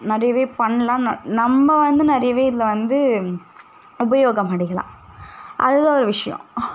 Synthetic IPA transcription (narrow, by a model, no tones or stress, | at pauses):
nɪɾɐjɐʋeːpɐɳːɐlãːnnɐmːɐʋɐnd̪ɯnɪɾɐjɐʋeːɪðɪlɐʋɐnd̪ɯ | ʊbɐjoːɡɐmɐɽɪɣɐlã̰ːʔɐ̰ðɯðãːɔɾɯʋɪʂɐjɔ̰̃